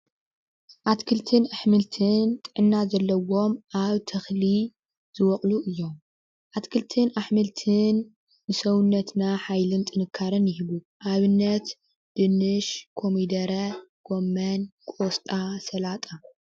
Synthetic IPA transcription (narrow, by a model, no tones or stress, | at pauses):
ʔat̪kʰɨlt̪ʰɨnaħmɨlt̪ʰɨnt̪ʼɨʕɨnːazɐlːɐwo̞mʔaβt̪ʰɐxli | z̥ɨwɔχʼluʔɨjːo̞m | ʔat̪kʰɨlt̪ʰɨnaħmɨlt̪ʰɨnː | ɨsɐwunːɐt̪naħajlɨnt̪ʼɨnɨkʰːaɾɨnjɪhiβu | ʔaβɨnːɐt̪ | d̪̥ɨnɨʃkʰo̞mid̪ɐɾɐɡ̥omːɐnkʼost̪ʼasɐlat̪ʼa